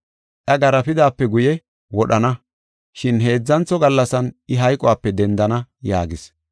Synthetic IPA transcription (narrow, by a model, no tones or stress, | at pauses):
ʔɐɡɐɾɐpɪd̪aːpːɛɡʊjɛ | wɔɗɐnɐ | ʃɪnɦe̞ːd͡zːɐnt͡sːɔɡɐlːɐsɐnɪɦɐjkʼɔwaːpːɛd̪ɛnd̪ɐnɐja̰ːɡɪs